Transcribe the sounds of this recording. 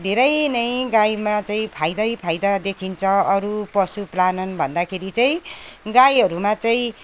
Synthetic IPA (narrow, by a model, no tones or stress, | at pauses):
d̪ʱeɾʌjnʌjɡajmat͡saĩpʰajd̪ʌjpʰajd̪ʌd̪ekʰint͡sʰʌʌɾupʌsuplanʌnbʱʌnd̪akʰeɾit͡saĩɡajɦʌɾumat͡saĩ